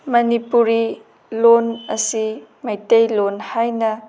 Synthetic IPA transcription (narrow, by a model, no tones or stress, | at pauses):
mɐnipuɾi | lonɐsimajtejlonhajnɐ